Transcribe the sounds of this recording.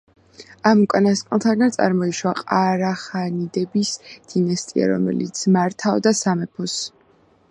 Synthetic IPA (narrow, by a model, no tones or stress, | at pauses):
amukʼanaskʼnlˠt̪ʰaɡant̪sʼa̰ɾmɔiʃwaqʼaɾaχanid̪ɛbisd̪̥inast̪ʼḭa̰ɾɔ̰mɛ̰lḭt̪sʰmaɾt̪ʰaɔd̪asamɛpʰɔs